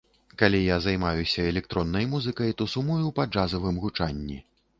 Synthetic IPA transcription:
kalʲijazajmajusʲɐɛlʲɛk̚t̪ɾɔnːɐjmuzɨkɐjt̪ɔsumujuwpad͡ʐazɐvɨmɣut͡ʂanʲːḭ

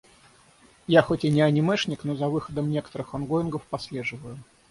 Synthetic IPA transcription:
jaxotʲɪnʲɪɐnʲɪmɛʂnʲɪknozɐvɨxəd̪əmnʲekə̥t̪əɾɨxɐnɡoɪnɡəfpasʲlʲeʐɨvəjʊ

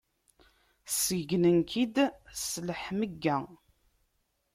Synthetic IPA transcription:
səɡnənkʰid̪sləħməɡːæ

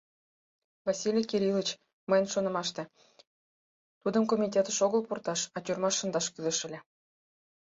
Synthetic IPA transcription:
vɑsʲilʲikʲeɾʲilˠət͡ɕ | məjənʃonɤ̆mɑʃt̪ĕ | t̪ud̪əmkomʲit̪ʲet̪əʃoɣəlpurt̪ɑʃɑtʲurmɑʃːə̆nd̪ɑʃkyzə̆ʃə̆lʲe

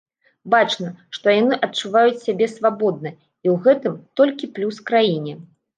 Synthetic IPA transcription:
bat͡ʂnɐʂt̪ɔjanɨʔɐtt͡ʂuvajut͡sʲsʲabʲɛsvabɔd̪̚nɐ | iwɣɛt̪ɨmt̪ɔlʲkʲiplʲuskɾajinʲɛ

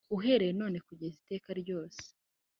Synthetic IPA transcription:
uɦe̞ɾejeno̞ːne̞kuɟezite̞ːkaɾɟo̞ːse̥

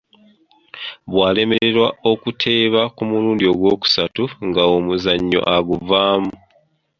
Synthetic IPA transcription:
βwaːle̞me̞ɾe̞ɾwao̞kutʰe̞ːβakumuɾuːndio̞ɡwo̞ːku̥satuŋɡaomuzaɲːo̞̰ʔaɡuvaːmu

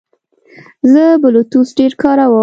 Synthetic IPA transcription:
zəbʊlut̪usɖeɾkɑɾawə

